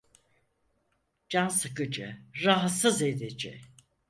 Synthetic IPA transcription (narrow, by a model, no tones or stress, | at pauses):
d͡ʒansɯkɯd͡ʒɯɾaɦat̪sɯzed̪ed͡ʒɛ̰